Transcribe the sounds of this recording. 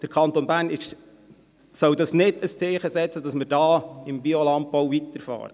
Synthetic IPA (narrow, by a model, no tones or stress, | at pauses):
d̥əɾkʰɑnt̪onbæːɾnɪʃ | sœwdɑsnɪdəst͡sɪːχəsɛt͡sədɑsməɾdɑːɪmbiɔlɑmpːowvit̪əɾfɑ̰ːɾə